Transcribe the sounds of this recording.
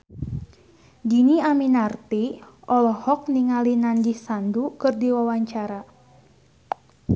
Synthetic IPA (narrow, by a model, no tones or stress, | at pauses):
diniaminart̪iɔlɔhɔk̚niŋalinanɡihsandukɨrdiwawaɲt͡ʃaɾa